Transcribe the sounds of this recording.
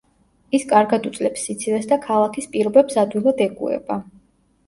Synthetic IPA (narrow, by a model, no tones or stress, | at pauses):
iskʼaɾɡad̪ut̪sʼlɛpsit̪sʰivɛsd̪akʰalˠakʰispʼiɾɔbɛbsad̪wilˠad̪ɛkʼṵɛ̰ba